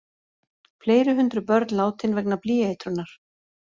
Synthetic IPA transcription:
fleːjɾʏɦʏnt̪ɾʏpœɾt̪nlaːwt̪ɪnvɛknapliːaɪt̪ɾʏnːaɾ̥

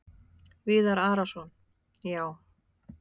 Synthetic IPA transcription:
vɪːðaɾaːɾasɔn | jaːw

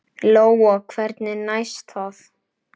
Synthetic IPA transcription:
loːwɔkʰvɛɾt̪nɪnajst̪ʰɔθ

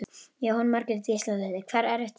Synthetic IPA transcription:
jahɔnmaɾkɪɾɪt̪ist̪alɛðɪkʰvɛɾɛɾɛht̪

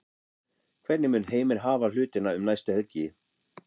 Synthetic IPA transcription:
kʰvɛt̪nɪmʏːnɦeːjmɪɾ̥ɦaːval̥ʏːt̪ɪnaʏmnajst̪ʏhœt̪jɪ

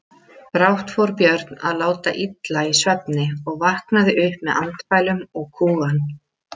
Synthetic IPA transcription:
pɾawht̪fɔɾpjœɾt̪naðlaːwt̪a̰ʔit̪laisvɛp̚nɪɔɣvahknaðɪʔʏhpmɛðʔant̪faːjlʏmɔɣkʰuːɣan

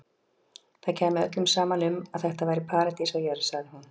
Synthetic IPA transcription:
θaðcʰɛːmɪðœ̰t̪lʏmsaːmanʏmaðθɛht̪avaːjɾɪpʰaːɾat̪isawjɛɾsaɣðɪhun

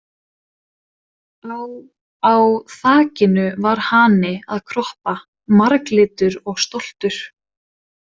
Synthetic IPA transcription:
aw | awθaːcɪnʏvaɾ̥hanɪaðkʰɾɔhpa | maɾklɪːt̪ʏɾɔɣst̪ɔl̥t̪ʏɾ̥

